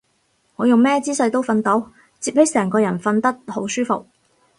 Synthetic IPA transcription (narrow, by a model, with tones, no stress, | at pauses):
ŋɔː˨˧jʊ˨ŋmɛː˥t͡siː˥sɐ˧ɥt̪o˥wfɐ˧nt̪o˨˥w | t͡siː˧p̚he˨˥sɛː˨˩ŋkɔː˧jɐ˨˩nfɐ˧nt̪ɐ˥k̚ho˨˥wsyː˥fo̰˨k̚